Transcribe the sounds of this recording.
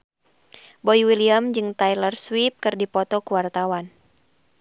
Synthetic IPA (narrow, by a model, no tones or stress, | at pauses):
bɔjwiliamd͡ʒɨŋt̪ajlərswip̚kɨrdipɔt̪ɔkuwart̪awan